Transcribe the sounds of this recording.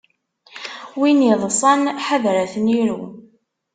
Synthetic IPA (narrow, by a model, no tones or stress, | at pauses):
winiðˤsˤɑnħaðɾæθəniɾu